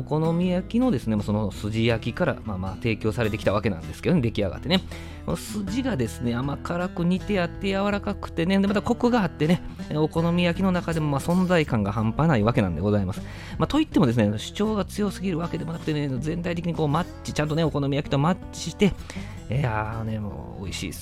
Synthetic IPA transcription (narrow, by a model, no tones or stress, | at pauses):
oko̞no̞mʲijakʲino̞d̪e̞sɨne̞maso̞nosɨʑijakʲikaɾa̰mama̰ːt̪e̞ːkʲo̞ːsaɾe̞t̪e̞kʲi̥t̪aβake̞nã̰nd̪eskedoed̪e̞kʲia̰ɡa̰t̪ːe̞ne̞ | ko̞̰nosɨʑiɡad̪e̞sɨne̞amakaɾakɯ̟ɲ̟it̪e̞at̪ːe̞jaβaɾakakɯ̟̥t̪e̞nend̪emat̪ako̞kɯ̟ɡaːt̪ːe̞ne̞ | o̞ko̞no̞mʲijakʲino̞nakad̪e̞mo̞masõ̞nd͡zaikãŋɡaɦãmpanaiβake̞nãnd̪eɡo̞zaimasɨ̥ | mat̪o̞it̪ːe̞mo̞d̪esɨnenoɕi̥t͡ɕo̞ːɡat͡sɨjo̞sɨɡʲiɾɯ̟βake̞d̪e̞mo̞nakɯ̟̥t̪enezẽ̞nt̪ait̪e̞kʲiɲiko̞ːmat͡ɕit͡ɕãnt̪o̞ne̞o̞ko̞no̞mʲijakʲi̥t̪o̞ma | i̥t̪e̞ | eanemo̰ː | o̰iɕḭː